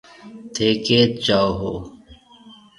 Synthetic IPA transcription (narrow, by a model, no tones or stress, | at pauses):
t̪ʰeːkeːt̪̚t͡ɕaːɦo̰ː